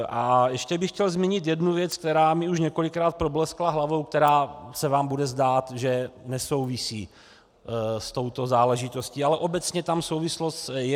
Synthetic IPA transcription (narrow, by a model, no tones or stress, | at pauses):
ʔajɛʃcɛbɪxcɛlzmɪɲɪt̪̬jɛdnuvjɛt͡sk̚t̪ɛɾaːmɪuʃɲɛko̞lɪkɾaːt̪̚pɾoblɛsklaɦlavo̞wk̚t̪ɛɾaːsɛvaːmbudɛzd̪aːt̪ʒɛnɛso̞wvɪsiː | st̪o̞wt̪o̞zaːlɛʒɪt̪osciːalɛʔo̞bɛt͡sɲɛt̪amsowvɪslost̪jɛ